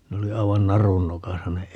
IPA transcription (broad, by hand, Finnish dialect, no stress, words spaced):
ne oli ɑi̯ʋɑn nɑrun nokɑsɑ ne